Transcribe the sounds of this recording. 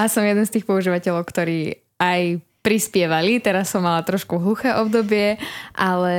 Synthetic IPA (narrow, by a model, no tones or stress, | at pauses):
asɔmjɛd̪ɛnst̪iːxpɔuʒiːʋacɛʎɔʊkt̪ɔɾiː | aj | pɾispɪɛʋalit̪ɛɾasːɔmːalat̪ɾɔʃkuɦlˠuxɛːʔɔbd̪ɔbɪɛʔalɛ